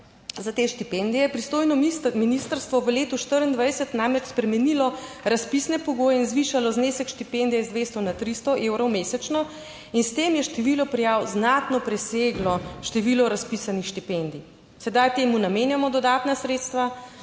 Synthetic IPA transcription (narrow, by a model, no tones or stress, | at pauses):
zat̪eːʃt̪ipɛnd̪ijɛpɾist̪oːjnɔminist̪əɾst̪ʋɔʋəleːt̪uʃt̪əɾənd̪ʋajsɛt̪namɾɛt͡ʃspɾɛmɛnilɔɾaspisnɛpɔɡoːjɛinzʋiʃalɔznesɛkʃt̪ipend̪ijɛizd̪ʋeːst̪ɔnat̪ɾist̪ɔʔewɾɔwmeːsɛt͡ʃnɔ | inst̪emjɛʃt̪ɛʋilɔpɾijawznat̪nɔpɾɛseɡlɔʃt̪ɛʋilɔɾaspisanixʃt̪ipend̪i | sɛd̪ajt̪eːmunameːnjamɔd̪ɔd̪aːt̪nasɾeːt̪st̪ʋa